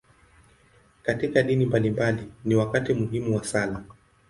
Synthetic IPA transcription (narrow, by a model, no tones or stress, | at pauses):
katikaɗinimbalimbaliniwakatimuɦimuwasala